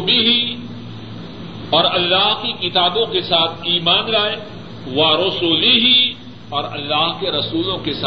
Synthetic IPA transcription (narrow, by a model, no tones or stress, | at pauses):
biɦi | ɔːɾɐlːaːɦkikɪt̪aːbõkesaːt̪ʰiːmaːnɾaːe | ʋaɾʊsuːliɦi | ɔːɾɐ̰lːaːɦkeɾɐsuːlõkes